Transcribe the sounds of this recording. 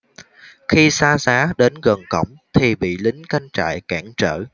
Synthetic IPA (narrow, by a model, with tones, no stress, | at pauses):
xi˧saː˧zaː˨˦ɗe˨˦nɣə˨˩ŋkə˧˩wŋ͡mt̪ʰi˨˩ɓḭ˧˨lï˨˦ŋ̟ka˧jŋ̟t͡ɕa̰ː˧˨jkaː˧˥ŋt͡ɕə̰ː˧˩˨